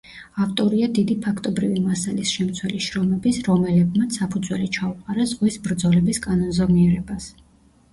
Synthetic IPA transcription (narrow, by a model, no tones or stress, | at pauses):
aft̪ʼɔɾiad̪id̪ipʰakʰt̪ʼɔbɾivimasalisʃɛmt̪sʰwɛliʃɾɔmɛbisɾɔmɛlɛb̚mat̪sʰːapʰud̪zwɛlit͡ʃʰauqʼaɾazʁisbɾd̪zɔlɛbiskʼanɔnzɔvniɛɾɛbas